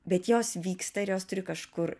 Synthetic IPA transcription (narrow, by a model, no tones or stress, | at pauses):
bʲɛt̪joːsʋʲiːkst̪ɐɪɾjoːst̪ʊɾʲɪkɐʃkʊr